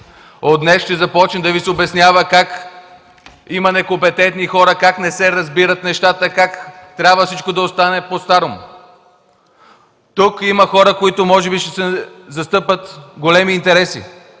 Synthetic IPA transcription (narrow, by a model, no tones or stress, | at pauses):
od̪nɛsʃt̪ɛzɐpɔt͡ʃnɛmd̪ɐvisɛobɛsnjavəkak | imɐnɛkompɛt̪ɛnt̪nixɔɾəkaknɛsɛɾɐzbiɾət̪nɛʃt̪at̪əkakt̪ɾʲabvəfsit͡ʃkod̪ɐost̪anɛpost̪aɾom | t̪ukimɐxɔɾəkoit̪ʊmɔʒɛbiʃt̪ɛsɛzɐst̪ɤpət̪ɡolɛmiːnt̪ɛɾɛsḭ